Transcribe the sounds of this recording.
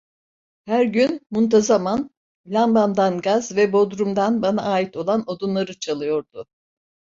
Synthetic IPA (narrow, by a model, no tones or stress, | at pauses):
hæɾɟynmunt̪ʰazaman | lʲamband̪anɡazvɛbo̞d̪ɾumd̪anbana̰ːit̪ʰo̞lˠano̞d̪unlˠaɾɯt͡ʃʰalˠɯjo̞ɾd̪ʊ